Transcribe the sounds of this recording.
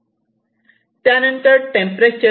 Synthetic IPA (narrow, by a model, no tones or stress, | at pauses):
ʈænə̃ɳʈəɾʈẽmpɾet͡ʃə